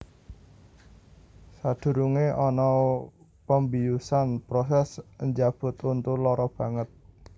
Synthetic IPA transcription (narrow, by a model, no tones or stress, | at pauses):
sad̪̥ṳɾuŋeʔɔnɔ | pəmbijusanpɾɔsɛsəɲd͡ʒab̥ʊ̤t̪unt̪ulɔɾɔb̥ä̤ŋət̪̚